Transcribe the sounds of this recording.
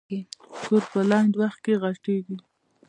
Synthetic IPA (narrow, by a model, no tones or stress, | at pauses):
ikoɾpəlaɳɖwaxt̪̚keɣaʈeɡi